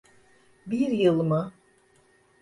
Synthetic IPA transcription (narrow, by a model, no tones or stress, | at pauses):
biɾjɯlˠmɯ